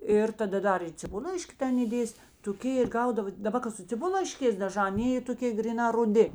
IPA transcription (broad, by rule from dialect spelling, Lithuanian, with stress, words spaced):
ˈɪr tɐˈdɐ ˈdɐr ɪ t͡sʲɪˈbʊlˠlˠɐɪʃʲkʲɪ ˈtʲɛn iːˈdʲeːsʲɪ toːˈkʲeː ɪr ˈɡɐʊdɐʋoː dɐˈbɐ kɐ sʊ t͡sʲɪˈbʊlˠlˠɐɪʃʲkʲeːs dɐˈʒɑː ɐˈnʲeː iː toːˈkʲeː ɡrʲɪˈnɑː rʊˈdʲɪ